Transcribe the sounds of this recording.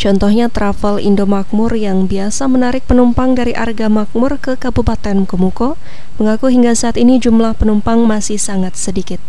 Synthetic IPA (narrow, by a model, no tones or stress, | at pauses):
t͡ʃɔnt̪ɔhɲat̪ɾafəlḭndomak̚mʊrjaŋbiasamənaɾɪk̚pənumpaŋdaɾiʔa̰rɡamak̚mʊrkəkabupat̪ɛnkomuko | məŋakuɦiŋɡasaːt̪inid͡ʒumlahpənumpaŋmasɪhsaŋat̪̚sədikɪt̪̚